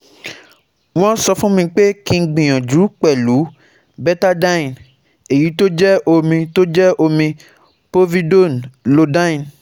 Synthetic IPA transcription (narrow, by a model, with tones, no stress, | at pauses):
w̃ɔ̃˦sɔ˧fũ˦mĩ˧k͡pe˦kĩ˧ɡ͡bĩ˨j̃ɔ̃˨d͡ʒu˨˦k͡pɛ˦˨lu˨˦ | bɛ˦ta˦da˦ĩ˨n | e˨ji˨˦to˦d͡ʒɛ˦o˧mĩ˧to˦d͡ʒɛ˦ʔo˧mĩ˧ | po˦vi˦do˦˨nlo˧da˦ĩ˨n